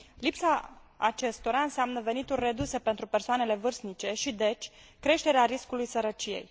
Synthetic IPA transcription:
lipsaːt͡ʃe̞st̪o̞ɾaɨnseamnəve̞nit̪ulʲre̞d̪use̞pent̪ɾupe̞rsoane̞le̞vɨrsnit͡ʃe̞ʃid̪e̞t͡ʃʲ | kɾe̞ʃt̪e̞ɾeaɾiskulujsəɾət͡ʃije̞̰j

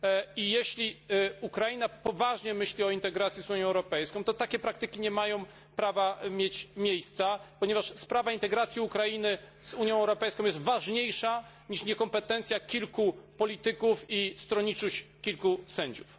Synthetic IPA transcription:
ijɛɕlʲiukɾajinapɔvaʐɲɛmɘɕlʲiɔint̪ɛɡɾat̪sʲjizuɲjɔ̃ɛwɾɔpɛjskɔ̃w̃t̪ɔt̪akʲɛpɾak̚t̪ɘkʲiɲɛmajɔ̃w̃ | pɾavamʲjet͡ɕmʲjejst̪sapɔɲɛvaʂspɾavaint̪ɛɡɾat̪sʲjiukɾainɘ | z̥uɲjɔ̃w̃ɛwɾɔpɛjskɔ̃w̃jɛst̪vaʐɲejʂa | ɲiʂɲɛkɔmpɛt̪ɛnt̪sʲjakʲilkupɔlʲit̪ɘkufist̪ɾɔɲit͡ʂuɕkʲilkusɛɲd͡ʑuf

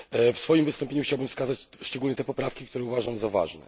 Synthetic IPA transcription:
fsfɔjimvɨst̪ɔmpʲjeɲuxt͡ɕawbɘmfskazat͡ɕʂt͡ʂɛɡulɲɛt̪ɛpɔpɾafkʲik̚t̪uɾɛuvaʐaw̃zava̰ʐnɛ̰

